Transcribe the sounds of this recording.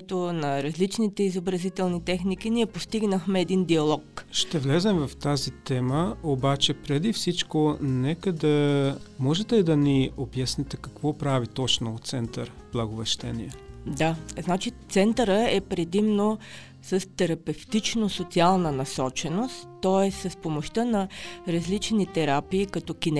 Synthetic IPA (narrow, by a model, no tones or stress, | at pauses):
t̪onɐɾɐzlit͡ʃnit̪ɛizobɾɐzit̪ɛlˠnit̪ɛxnik̟iniɛpost̪iɡnəxmɛːd̪ind̪iɐlˠɔkʃt̪ɛvlɛzɛmvɐft̪azit̪ɛməobat͡ʃɛpɾɛd̪ifsit͡ʃkonɛkəd̪ɐmɔʒɛt̪ɛid̪ɐniobjasnit̪ɛkɐkvɔpɾavit̪ɔt͡ʃnoːtt̪sɛnt̪əɾb̥lˠɐɡovɐʃt̪ɛniɛd̪aznat͡ʃit̪sɛnt̪əɾəɛpɾɛd̪imno | səst̪ɛɾɐpɛft̪it͡ʃnosot̪sialˠnənɐsɔt͡ʃɛnost̪ːɔɛsəspomoʃt̪ənɐɾɐzlit͡ʃnit̪ɛɾapiːkɐt̪ɔkʲin